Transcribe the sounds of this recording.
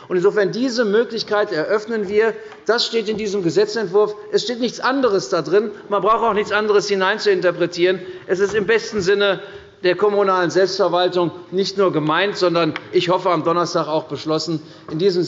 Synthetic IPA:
ʊntɪnzoːfɛɐndiːzəmøːklɪçkaɪtɛɐʔœfnənviːɐ | d̥asʃteːtɪndiːzəmɡəzɛt͡sɛntv̥ʊɐfʔɛsʃteːtnɪçt͡sʔandəʁəsd̥adʁɪnmanbʁaʊxəaʊxnɪçt͡sʔandəʁ̞əshɪnaɪnt͡suɪntɐpʁ̥ɛtʰiːʁ̞ənʔɛs̬ɪstɪmbɛstn̩zɪnə | d̥eːɐkʰɔmunaːlənzɛlpstfɛɐvaltʊŋnɪçtnuːɐɡəmaɪntz̥ɔndɐnʔɪçhɔfəamdɔnɐstaːkaʊxb̥əʃlɔsn̩ | ʔɪndiːzəm

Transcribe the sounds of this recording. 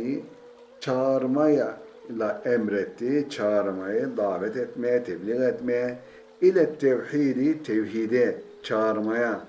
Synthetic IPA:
i | t͡ʃʰaːɾmajalaɛmɾɛt̪ːit͡ʃʰaːɾmajid̪aːʋɛt̪ɛt̪met̪ʰɛbliɣet̪me | ilat̪ːewħiːd̪it̪ʰewɦid̪e | t͡ʃʰaːɾmaja

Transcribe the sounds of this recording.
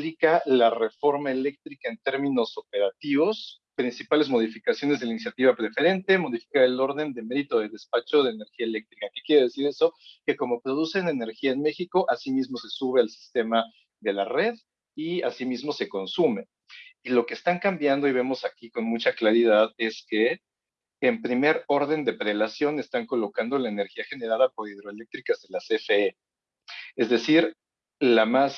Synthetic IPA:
likalare̞fo̞ɾmae̞le̞k̚t̪ɾikaent̪e̞ɾmĩno̞so̞pe̞ɾat̪iβo̞s | pɾinsipale̞zmo̞ð̞ifikasjo̞nezðe̞lainisjat̪iβapɾe̞fe̞ɾe̞nt̪e̞mo̞ðifi̥kaɾe̞lo̞ɾðe̞nd̪e̞me̞ðit̪o̞ðeðe̞spat͡ʃo̞ð̞e̞ːne̞ɾxiaele̞k̚t̪ɾikake̞kjeɾe̞ðesiɾe̞so̞ke̞ko̞mo̞pɾo̞ð̞usene̞ne̞ɾxiaenme̞xiko̞ʔasimizmo̞se̞suβe̞alsi̥st̪e̞ma | ðe̞lare̞ð | iasimizmo̞se̞ko̞nsume̞ | ilo̞ke̞ːst̪aŋkambjand̪o̞iβe̞mo̞sakiko̞nmut͡ʃaklaɾiðaðe̞ske̞ː | mpɾime̞ɾo̞ɾðe̞nd̪e̞pɾe̞lasjo̞ne̞st̪aŋko̞lo̞kand̪o̞laene̞ɾxiaxe̞ne̞ɾaðapo̞ɾið̞ɾo̞ele̞k̚t̪ɾikazðe̞lasefee | e̞zðe̞siɾ | lamas

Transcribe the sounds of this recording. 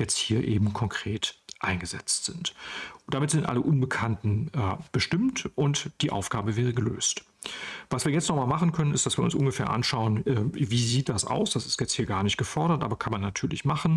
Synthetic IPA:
jɛt͡sthiːɐʔḛːbm̩kʰɔŋkʁ̥eːtʔaɪnɡəzɛt͡stz̥ɪntd̥amɪtz̥ɪntʔa̰ləʔʊnbəkʰantn̩ʔɛb̥əʃtɪmtʔʊntd̥iːʔa̰ʊfɡ̥aːbəvɛːʁ̞əɡəlø̰ːst | v̥asv̥iːɐjɛt͡stnɔχmaːlmaχn̩kʰœnənɪstd̥asviːɐʊnsʔʊnɡəfɛːɐʔa̰nʃaʊənʔɛviːziːt̚d̥asʔa̰ʊsd̥asɪ̥stjɛt͡sthiːɐɡaːɐnɪçt̚ɡ̥əfɔɐɾɐtʔaːbɐkʰanmanːatʰyːɐlɪçmaχn̩

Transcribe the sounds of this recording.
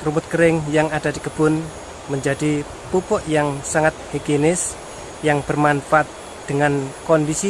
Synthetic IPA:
rubʊt̪̚kəɾɪŋjaŋad̥ad̪ikəb̥ʊn | məɲd͡ʒad̥i | pupʊʔjaŋsaŋat̪̚heɡenɪs | jaŋb̥ərmanfat̪̚ | d̪̥əŋankɔndisi

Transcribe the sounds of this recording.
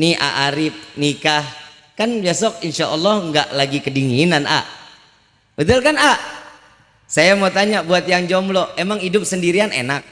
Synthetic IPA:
niʔa̰ʔaɾɪp̚nikah | kanbesɔk̚inʃaʔɔlːɔhŋɡa̰ʔlaɡikədiŋinana̰ | bət̪ʊlkana | sajamot̪aɲabuat̪̚jaŋd͡ʒɔmblɔemaŋidʊp̚səndiɾianḛnak̚

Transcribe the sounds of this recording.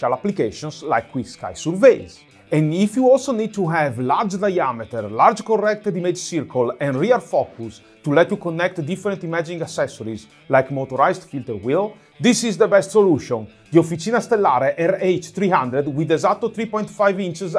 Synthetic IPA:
alaplikeʃõnsla̰jkʰːwikska̰jsuɾvejz | ɛ̃nifjuɔlsonid̪̚t̪uɦɛvlaɾd͡ʒd̪ajamet̪ɛɾlaɾd͡ʒkorɛk̚t̪ed̪imed͡ʒsiɾkolɛ̃nɾiaɾfɔkʰus | t̪ulɛt̪jukonːɛk̚t̪d̪ifəɾɛ̃nt̪imad͡ʒĩŋɡasɛsɔɾiz | lajkmot̪oɾajzd̪filt̪əɾwil | d̪isizd̪əbɛst̪soluʃɔ̃n | d̪iofit͡ʃinast̪elːaɾeʔɛɾejt͡ʃt̪ɾiɦãnd̪ɾed̪wid̪ezat̪ːot̪ɾipɔ̃j̃nt̪fajvĩnt͡ʃz

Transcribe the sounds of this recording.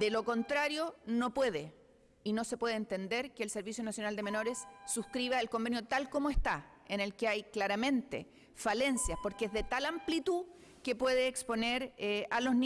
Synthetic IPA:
d̪elo̞ko̞nt̪ɾaɾjo̞no̞pwe̞ðe | ino̞se̞pwe̞ðeːnt̪e̞nd̪eɾkeːlse̞ɾβisjo̞nasjo̞nald̪e̞me̞no̞ɾesːuhkɾiβaelko̞mbe̞njo̞t̪alkomoe̞ht̪a | ene̞lkeajklaɾamẽ̞nt̪ḛ | fale̞nsjaspo̞ɾkeezðet̪alamplit̪u | kepwe̞ðeːkspo̞neɾalo̞zn

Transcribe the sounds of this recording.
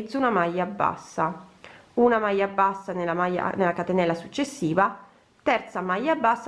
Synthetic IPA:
d̪zːaunamajːabːa̰sːa | unamajːabːasːanelamajːa̰nelakat̪enɛlasut͡ʃːesːiːva | t̪ɛrt̪samajːabːasː

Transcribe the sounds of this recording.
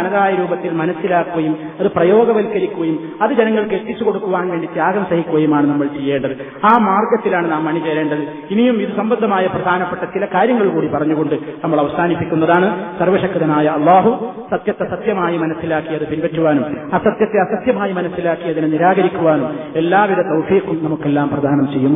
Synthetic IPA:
ɐnɐðaːjɐɾuːbɐt̪ːilmɐnɐsːilaːkːuɣɐjum | ɐðɨprɐjo̞ːɡɐʋɐlkːɐɾikʲːuɣɐjum | ɐðɨd͡ʑenɐŋːɐɭket̪ːit͡ɕːuko̞ɽukːuʋaːnʋeːɳɖit̪jaːɡɐmsɐhikʲːuɣɐjumaːɳɨnɐmːɐɭt͡ɕe̞jːe̞ːɳɖɐðɨ | aːmaːrɡjɐt̪ːilaːɳɨnaːmːɐɳit͡ɕeːɾe̞ːɳɖɐðɨ | inijumiðusɐmbɐnd̪ʱɐmaːjɐprɐd̪ʱaːnɐpːɐʈːɐt͡ɕilɐkaːɾjɐŋːɐɭkuːɽipɐrɐɲːuɣo̞ɳɖɨnɐmːɐɭɐʋɐsaːnipːikʲːunːɐðaːɳɨsɐrʋɐɕɐkːɐðɐnaːjɐɐlˠːaːɦu | sɐt̪jɐt̪ːɐsɐt̪jɐmaːjimɐnɐsːilaːkːijɐðɨpinpɐtːuʋaːnumɐsɐt̪jɐt̪ːeɐsɐt̪jɐmaːjimɐnɐsːilaːkːijɐðinɨniɾaːɣɐɾikʲːuʋaːnume̞lːaːʋiɾɐt̪ɐwfiːqːumnɐmukːe̞lːaːmprɐd̪ʱaːnɐmt͡ɕejːumː

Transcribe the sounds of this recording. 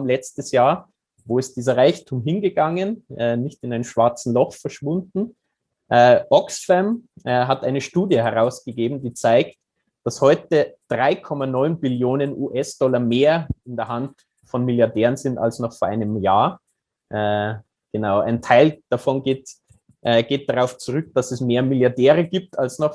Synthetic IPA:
mlɛt͡stəsjaːɐ | voːɪst̚d̥iːzɐʁaɪçtʰuːmɦɪnɡəɡaŋənʔɛnɪçtɪnaɪnmʃv̥aɐt͡sn̩lɔχfɛɐʃv̥ʊndn̩ | ʔɛʔɔksfɛmɦatʔaɪnəʃtuːdjəhɛɐʁaʊsɡ̥əɡeːbm̩diːt͡saɪkt | d̥ashɔʏtəd̥ʁaɪkʰɔmanɔʏnbɪljoːnənʔuːʔɛsd̥ɔlɐmeːɐɪndeɐɦant | fɔnmɪljaɐdɛːʁənzɪnta̰lsnɔχfoɐʔaɪnəmjaːɐ | ʔɛ | ɡ̥ənaʊa̰ɪntʰaɪld̥afɔnɡeːt | ʔɡ̥eːt̚d̥aʁaʊft͡suʁʏk̚d̥asɛsmeːɐmɪljaɐdɛːʁəɡiːp̚tʰalsnɔχ

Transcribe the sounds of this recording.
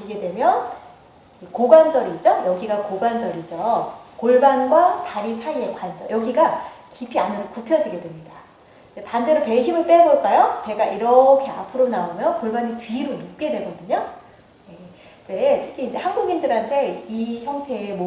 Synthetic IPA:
iɡe̞dwe̞mjʌn | ikoɡwand͡ʑʌɾid͡ʑojʌɡiɡakoɡwand͡ʑʌɾid͡ʑʌkoɭbanɡwataɾisʰaie̞kwand͡ʑʌ̰jʌɡiɡakipʰianɯdokupʰjʌd͡ʑiɡe̞dwe̞mɲida | d͡ʑetande̞ɾope̞çimɯɭp͈eboɭk͈ajope̞ɡaʔiɾʌkʰe̞apʰɯɾonaomjʌnkoɭbanitɥiɾonup̚k͈e̞dwe̞ɡʌdɯɲo | je̞ | id͡ʑe̞tʰɯ̥kʰiːnd͡ʑe̞hanɡuɡindɯɾɦantʰe̞içjʌŋtʰe̞ːmo

